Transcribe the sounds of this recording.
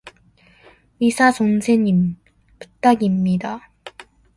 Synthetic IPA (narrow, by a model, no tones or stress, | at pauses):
ɥisʰasonsʰeɲim | pu̥t͈aɡimɲida